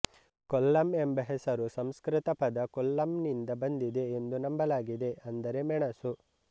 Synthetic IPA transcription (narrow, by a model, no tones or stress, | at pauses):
kolːɐmembɐɦesɐɾusɐmskɾɪt̪ɐpɐd̪ɐkolːɐmnind̪ɐbɐnd̪id̪e̞ːnd̪unɐmbɐlaːɡid̪e̞ɐnd̪ɐɾe̞mɛɳɐsu